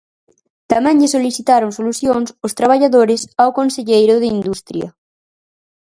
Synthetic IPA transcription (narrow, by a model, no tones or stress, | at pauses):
t̪amɛ̃ŋʎɪsoliθit̪aɾoŋsoluθjoŋsʊst̪ɾaβ̞aʎaðoɾɪsawkonseʎejɾʊðɪind̪ust̪ɾjɐ̰